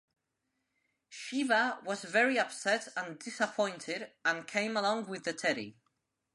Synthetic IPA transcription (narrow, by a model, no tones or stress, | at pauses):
ʃivəwɒzvɛɹiʌpsɛtə̃ndɪsəpʰɔ̃ɪ̃ntʰɪdə̃nkʰẽɪ̃məlɔ̃ŋwɪðətʰɛɾḭ